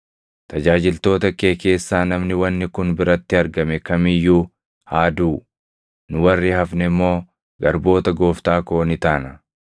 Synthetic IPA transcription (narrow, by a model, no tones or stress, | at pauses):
t̪ɐd͡ʒaːd͡ʒɪlt̪o̞ːt̪ɐke̞ːke̞ːsːaːnɐmnɪwɐnːɪkʊnbɪɾɐt̪ːɪɐɾɡɐmɛkɐmɪjːuː | haːd̪uː | nʊwɐrːɪhɐfnɛmːo̞ː | ɡɐɾbo̞ːt̪ɐɡo̞ːft̪aːkoːnɪt̪aːnɐ